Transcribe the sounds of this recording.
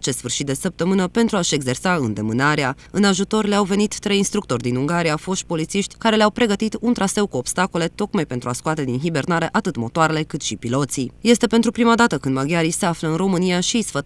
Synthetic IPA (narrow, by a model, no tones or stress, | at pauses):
t͡ʃe̞st̪sfɨrʃit̪d̪e̞səp̚t̪əmɨnəpe̞nt̪ɾuaʃe̞ɡze̞rsaɨnd̪e̞mɨnaɾea | ɨnaʒut̪o̞rʲleawve̞nit̪ːɾe̞jinst̪ɾuk̚t̪o̞rʲd̪inuŋɡaɾijafo̞ʃt̪̚po̞lit̪siʃt̪ʲkaɾe̞leawpɾe̞ɡət̪it̪unt̪ɾase̞wkuobst̪ako̞le̞t̪o̞kmajpe̞nt̪ɾuaskowat̪e̞d̪inɦibe̞rnaɾeʔat̪ɨt̪mo̞̰t̪oaɾe̞le̞kɨt̪ʃipilo̞t̪sije̞st̪e̞pe̞nt̪ɾupɾimad̪at̪əkɨnd̪maɡʲjaɾise̞afləɨnro̞mɨnijaʃisfə